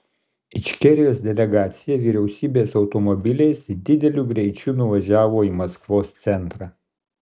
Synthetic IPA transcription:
ɪʃʲkʲɛɾʲɪjoːsd̪ʲɛlʲɛɡɑːt̪sʲɪjɛʋʲiːɾʲɛʊsʲiːbʲeːsɒʊt̪ɔmɔbʲɪlʲɛɪsd̪ʲɪd̪ʲɛlʲuɡɾʲɛɪt͡ʃʲunʊʋɐʒʲæːʋoːiːmɐskʋoːst̪sʲɛnt̪ɾɑː

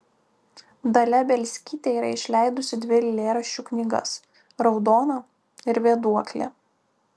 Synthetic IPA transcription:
d̪ɐlʲɛbʲɛlʲsʲkʲiːt̪ʲeiːɾɐɪʃʲlʲæɪd̪ʊsʲɪd̪ʲʋʲɪlʲɪlʲeːɾɐʃʲt͡ʃʲuknʲiɡɐ̰s | ɾɒʊd̪oːnɐ | ɪɾʋʲeːd̪uɔkʲlʲḛː

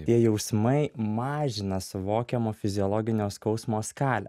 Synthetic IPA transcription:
tt̪ʲiɛjɛʊsmɐɪmɑːʒʲɪnɐsʊʋoːkʲɛmoːfʲɪzʲɪɔːlˠɔɡʲɪnʲoːskɒʊsmoːskɑːlʲɛ̰

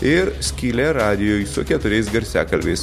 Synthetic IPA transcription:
ɪɾsʲkʲiːlʲeɾɑːd̪ʲɪjoːjsʊkʲɛt̪ʊɾʲɛɪsɡɐɾʲsʲæ̰ːkɐlʲʋʲeɪs

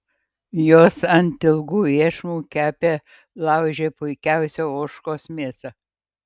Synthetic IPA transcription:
joːsɐnʲt̪ʲɪlˠɡuːiɛʃmuːkʲæːpʲeː | lˠɑʊʒʲeːpʊɪkʲæʊsʲoːoːʃkoːsmʲiɛsɐ

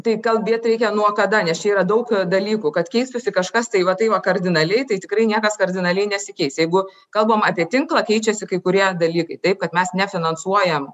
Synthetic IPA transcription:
t̪ɐɪkɐlˠbʲeɛt̪ʲɾʲɛɪkʲɛnuɔkɐd̪ɐnʲɛst͡ʃʲɛiːɾɐd̪ɐʊkd̪ɐlʲiːkuːkɐt̪kʲɛɪst̪ʊsʲɪkɐʃkɐst̪ɐɪʋɐt̪ɐɪʋɐkɐrʲd̪ʲɪnɐlʲɛɪt̪ɐɪt̪ʲɪkɾɐɪnʲiɛkɐskɐrʲd̪ʲɪnɐlʲɛɪnʲɛsʲɪkʲɛɪsjɛɪɡʊ | kɐlˠbomɑːpʲiɛt̪ʲɪŋklˠɐkʲɛɪt͡ʃʲɛsʲɪkɐɪkʊɾʲiɛd̪ɐlʲiːkɐɪt̪ɐɪp̚kɐt̪mʲɛsnʲɛfʲɪnɐnsuɔjɛm

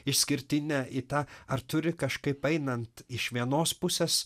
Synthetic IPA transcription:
ɪʃʲsʲkʲɪɾʲt̪ʲɪnʲæʔit̪ɑːɐɾt̪ʊɾʲɪkɐʃkɐɪpɛɪnɐnt̪ɪʃʋʲiɛnoːspʊsʲeːs

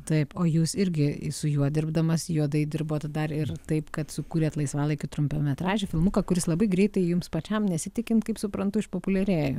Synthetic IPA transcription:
t̪ɐɪpoːjuːsɪɾʲɡʲɪsʊjuɔd̪ʲɪrbd̪ɐmɐsjuɔd̪ɐɪdʲɪrboːt̪d̪ɐrɪrt̪ɐɪpkɐt̪sʊkuːɾʲeːt̪lˠɐɪsʋɑːlˠɐɪkʲɪt̪ɾʊmʲpʲoːmʲɛt̪rɑːʒʲɛfʲɪlˠmʊkɐkʊɾʲɪslˠɐbɐɪɡɾʲɛɪt̪ɐɪjʊmspɐt͡ʃʲɛmnʲɛsʲɪt̪ʲɪkʲɪnt̪kɐɪpsʊpɾɐnt̪ʊɪʃpoːpʊlʲɛɾʲeːjʊ

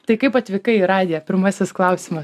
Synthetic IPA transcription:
t̪ɐɪkɐɪpɐt̪ʲʋʲɪkɐɪɾɑːd̪ʲɪjɛpʲɪɾmɑsʲɪsklˠɐʊsʲimɐ

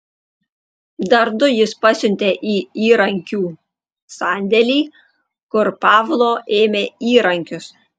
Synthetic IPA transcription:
d̪ɐɾd̪ʊjɪspɑsʲʊnʲt̪ʲeːʔiːiːɾɐŋʲkʲuː | sɑːnʲd̪ʲɛlʲiː | kʊɾpɑːʋlˠoːʔeːmʲeːiːɾɐŋʲkʲʊs

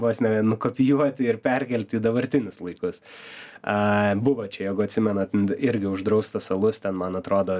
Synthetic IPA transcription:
bosnʲɛnʊkoːpʲɪjuɔt̪ʲɪɪɾpʲɛɾʲkʲɛlʲt̪ʲiːd̪ɐbɐɾʲt̪ʲɪnʲʊslˠɐɪkʊs | ɐbʊʋoːt͡ʃʲɛjɛːɡʊɐtʲsʲɪmʲɛnɐt̪ʲɪɾʲɡʲɪʊʒd̪ɾɐʊst̪ɐsɐlˠʊst̪ʲɛnmɐnɐt̪ɾoːd̪oː

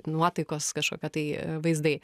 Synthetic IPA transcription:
nuɔt̪ɐɪkoːskɐʃko̰ːkʲoːt̪ɐɪʋɐɪzd̪ɐɪ

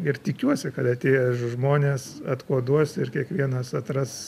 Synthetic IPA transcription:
ɪrt̪ʲɪkʲuɔsʲɪkɐt̪ɐt̪ʲeːjɛʒmoːnʲeːsɐt̪koːd̪uɔsɪrkʲiɛkʋʲiɛnɐsɐt̪rɐs

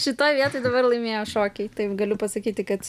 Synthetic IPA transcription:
ʃʲɪt̪oːjʋʲiɛt̪oːɪd̪ɐbɐrlˠɐɪmʲeɛjoːʃoːkʲɛɪt̪ɐɪɡɐlʲʊpɐsɐkʲiːt̪ʲɪkɐt̪

